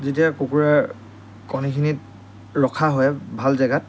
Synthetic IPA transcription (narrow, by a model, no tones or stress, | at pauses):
zetiakukuɹa | kɔnikʰinit | ɹɔkʰaɦɔjbʱalzɛɡat̚